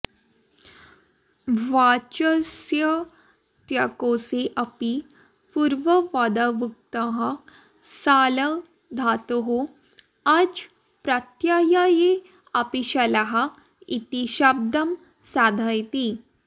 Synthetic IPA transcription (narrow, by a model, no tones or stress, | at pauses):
ʋat͡ɕəsjə | t̪jakoseʔɐpi | puɾʋəʋad̪aʋuk̚t̪əɦɐ | salə | d̪ʱat̪oɦo | ad͡z | pɾat̪jajaje | ɐpiɕalaɦɐ | it̪iɕab̚d̪əm | sad̪ʱajt̪i